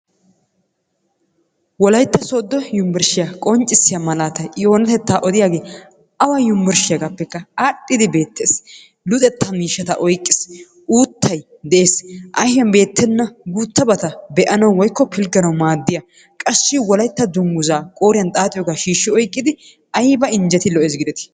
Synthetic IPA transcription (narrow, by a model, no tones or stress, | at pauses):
wɔlɐjt̪ːɐsoːd̪ːɔjʊmbɪɾʃɪjakʼɔnt͡ʃʼːɪsːɪjamɐlaːt̪ɐjɪjo̞ːnɐt̪ɛt̪ːaːʔɔd̪ɪjaːɡeː | ɐwɐjʊmbɪɾʃɪjɐɡaːpːɛkːɐaːɗʼːɪd̪ɪbe̞ːt̪ːe̞ːs | lʊt̪ʼɛt̪ʰːɐmiːʃːɐt̪ɐʔɔjkʼːɪ̥s | ʔuːt̪ːɐj | d̪ɛʔeːsʔɐjjɐnbe̞ːt̪ːɛnːɐɡut̪ːɐbɐt̪ɐbɛʔɐnɐwwɔjkːɔpɪlɡɐnɐwmaːd̪ːɪjɐ | kʼɐsːɪwɔlɐjt̪ːɐd̪ʊŋɡʊzaːkʼoːɾɪjɐnt̪ʼaːt̪ʼɪjɔɡaʃiːʃːɪɔjkʼːɪd̪ɪ | ɐjbɐɪnd͡ʒɛt̪ɪlɔʔeːsɡɪd̪ɛt̪ɪ̥